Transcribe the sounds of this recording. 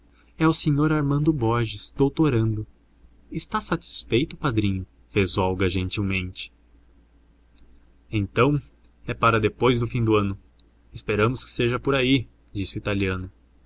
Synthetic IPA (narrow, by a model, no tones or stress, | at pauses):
ɛʊseɲoɾaɾmɐ̃nd̪ʊbɔɾʒɪz̥d̪owt̪oɾɐ̃nd̪ʊ | ɪst̪asat͡ʃi̥sfejt̪ʊpad̪ɾĩɲʊ | fezɔwɡɐʒẽnt͡ʃiwmẽnt͡ʃɪ̥ | ẽnt̪ɐ̃w̃ | ɛpaɾɐd̪epojzd̪ʊfĩd̪ʊɐ̃nʊ | ɪspeɾɐ̃mʊskɪ̥seʒɐpʊɾai | d͡ʒisɪʊit̪aliɐ̃nʊ